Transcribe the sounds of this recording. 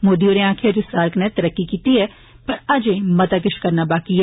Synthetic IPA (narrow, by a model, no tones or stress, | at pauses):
moːd̪ioneãːkʰeɐd͡ʒusaːɾknɛt̪ɐɾəkːikiːt̪iɦɛ | pɐɾɐd͡ʒẽmɐt̪ak̬ɪʃkɐɾnabaːkiɦɛ